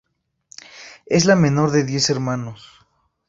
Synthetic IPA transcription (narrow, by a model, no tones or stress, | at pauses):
e̞zlamẽ̞no̞ɾðe̞ðje̞se̞ɾmãnos